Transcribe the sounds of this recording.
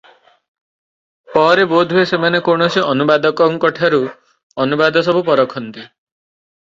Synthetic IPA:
pɔɾebod̪ʱuesemanekoɳ̃osiʔɔnubad̪ɔkɔŋkɔʈʰaɾu | ɔnubad̪ʱɔsɔbʱupɔɾɔkʰɔnt̪i

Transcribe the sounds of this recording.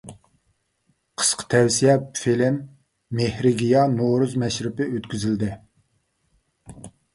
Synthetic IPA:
qʰə̥sqʰə̥t̪ʰɛwsijɛpfilɪmː | ehɾɪɡʲijɑnoɾuzmɛʃɾɪpɪøt̪kʲyzɪld̪ɪ

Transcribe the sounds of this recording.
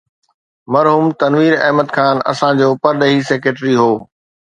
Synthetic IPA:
mɐɾɦuːmt̪ɐnʋiːɾɐ̰ɦməd̪kʰaːnɐ̰sãd͡ʑoːpɐɾɗəɦiseːkeːʈɾiɦoː

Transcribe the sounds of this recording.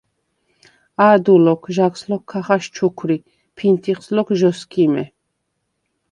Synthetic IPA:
ad̪ulɔkʰʒakslɔkʰːaχaʃt͡ʃʰukʰɾi | pʰint̪ʰiχslɔkʒɔskʰʼimɛ

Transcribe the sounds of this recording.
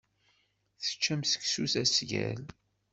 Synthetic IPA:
θə̥t͡ʃːæmsə̥ksuθæsʝæ̰l

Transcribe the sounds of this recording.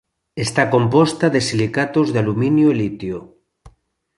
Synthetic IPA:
est̪akompost̪aðesilikat̪ozðealuminjoelit̪jo

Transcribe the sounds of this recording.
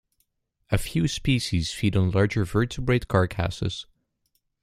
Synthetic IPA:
ɨfjʉspiʃiz̥fiɾ̃n̩lɑɹd͡ʒə˞vɜ˞tʰɨbɹeɪt̚kʰɑɹkʰæ̰sɨ̰z̥

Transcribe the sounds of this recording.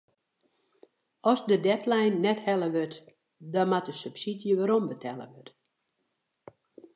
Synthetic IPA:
ɔsdədɛtlɛjnːɛthɛləʋøt | dɔmatəsypsidjəʋaɾombətʰɛlə̰ʋøt

